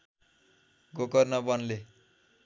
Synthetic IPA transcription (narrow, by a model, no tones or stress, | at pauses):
ɡokʌrnʌbʌnle